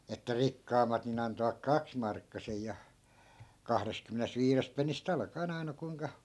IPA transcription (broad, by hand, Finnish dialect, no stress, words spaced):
etːæ rikːɑːmːɑt nin ɑntoʋɑk kɑksmɑrkːɑsej jɑ kɑhrest̆kymːenest ʋiːrest penːist ɑlkɑen ɑi̯nɑ kuiŋkɑ